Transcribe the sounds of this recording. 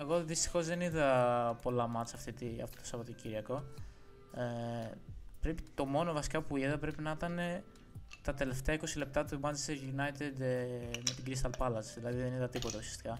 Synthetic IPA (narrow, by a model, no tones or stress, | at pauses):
eɣo̞ðist̪i̥xo̞zðe̞niðɐpo̞lɐmɐt͡sɐft̪it̪iɐ̰ft̪o̥t̪osɐvɐt̪ociɾiɐko̞ | e | pɾe̞pit̪o̞mo̞novɐsi̥kɐpuiðɐpɾe̞pinɐit̪ɐne̞ | t̪ɐt̪e̞le̞ft̪e̞ɐiko̞sile̞p̚t̪ɐt̪umɐnzeseʝunɐjt̪ed̪met̪iɡɾist̪ɐlpɐlɐsðilɐðiðeniðɐt̪ipo̞t̪ɐusiɐ̥st̪i̥kɐ